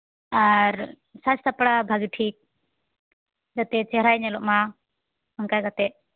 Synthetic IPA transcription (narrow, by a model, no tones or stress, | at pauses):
aɾ | sat͡ʃt̪ʰapɽabʱaɡiʈʰik̚ | d͡ʒat̪ɛt͡ʃɛɾajɲɛlɔʔma | ɔŋkajɡat̪ɛʔ̚